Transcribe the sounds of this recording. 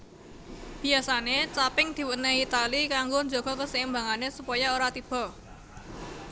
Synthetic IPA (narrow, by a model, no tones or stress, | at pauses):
b̥i̤asanet͡ʃapɪŋd̪̥i̤wunehit̪alikaŋɡoɲd͡ʒoɡ̥ɔ̤kəsəɪmbaŋanesupɔjaoɾat̪ib̥ɔ̤